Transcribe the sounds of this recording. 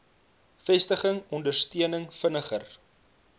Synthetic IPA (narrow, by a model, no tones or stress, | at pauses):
fɛstəχəŋɔndərstiənəŋfənəχər